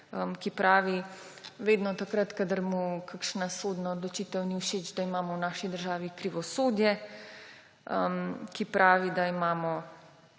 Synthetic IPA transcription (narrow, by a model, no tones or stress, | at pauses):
əmkipɾaːʋi | ʋeːd̪nɔt̪akɾat̪kad̪əɾmukakʃnasoːd̪naod̪lɔt͡ʃit̪əwniwʃeːt͡ʃd̪aimaːmɔwnaːʃid̪əɾʒaːʋikɾiʋɔsoːd̪jɛ | əmkipɾʔaːʋid̪aimaːmɔ